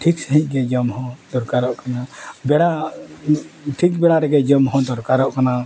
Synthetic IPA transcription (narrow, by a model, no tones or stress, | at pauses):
ʈʰiksəɦĩc̚ˀɡɛd͡ʒɔmɦɔ̃d̪ɔɾkaɾɔʔkanabɛɽa | ʈʰik̚bɛɽaɾɛɡɛd͡ʒɔmɦɔ̃d̪ɔɾkaɾɔʔkana